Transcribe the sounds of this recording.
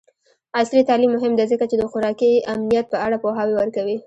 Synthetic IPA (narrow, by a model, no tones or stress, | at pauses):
aslit̪ɑlimːʊɦɪmd̪ezəkat͡ʃed̪əxʊɾɑkiamnijat̪̚pəaɽapoɦɑwewəɾkawi